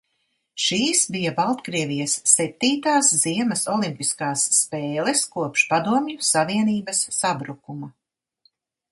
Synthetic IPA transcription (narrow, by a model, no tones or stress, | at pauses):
ʃiːsbijabalˠt̪kɾiɛvijɐsːɛp̚t̪iːt̪aːsz̥iɛmɐsɔlˠimpiskaːsːpeːlˠɛskuɔpʃpad̪uɔmɲusaviɛniːbɐsːabɾukumɐ